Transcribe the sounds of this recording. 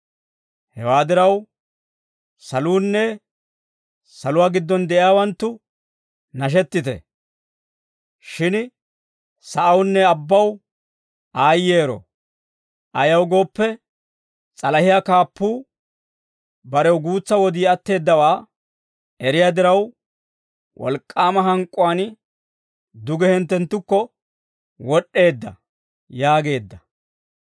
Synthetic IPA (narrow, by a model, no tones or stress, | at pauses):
hɛ̰waːd̪ɪɾɐw | sɐluːnːɛ | sɐlʊwaːɡɪd̪ːɔnd̪ɛʔɪjaːwɐnt̪ːʊ | nɐʃ̬ɛt̪ːɪt̪ɛ̰ | ʃɪn | sɐʔɐwnːɛɐbːɐw | ʔaːjːeːɾɔ̰ | ʔɐjɐwɡo̞ːpːɛ | t͡sʼɐlɐhɪjakaːpːuː | bɐɾɛwɡuːt͡sːɐwɔd̪iːɐt̪ːe̞ːd̪ːɐwaː | ɛɾɪjaːd̪ɪɾɐw | wʔɔ̰lkʼːaːmɐɦɐŋkʼːʊwaːn | d̪ʊɡɛhɛnt̪ːɛnt̪ːʊkːɔ | wɔɗːe̞ːd̪ːɐ̰ | jaːɡe̞ːd̪ːɐ